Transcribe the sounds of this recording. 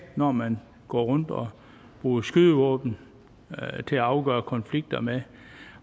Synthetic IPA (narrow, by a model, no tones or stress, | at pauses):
nɒmæn | ɡ̥ɒ̰ːʁɔ̽n̰d̥ɒ | b̥ʁuːsɡ̥yðˠəʋɔ̰̽ːb̥n̩ | t͡sʰe̝æɑ̈ʊɡ̥ɶ̰ːɐkʰɒ̽nfliɡ̥̚d̥ɐme